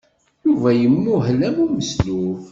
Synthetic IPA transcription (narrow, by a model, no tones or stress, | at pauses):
juvæjəmːʊɦlæmuməsluf